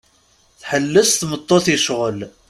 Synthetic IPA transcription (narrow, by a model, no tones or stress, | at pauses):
θħəlːəsθmət̪ˤːoθiʃʁəl